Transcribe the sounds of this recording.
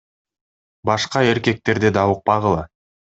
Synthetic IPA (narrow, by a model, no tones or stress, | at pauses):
bɑʃqɑe̞ɾkʲe̞k̚t̪e̞ɾd̪ed̪ɑwəq̚pɑʁəlˠɑ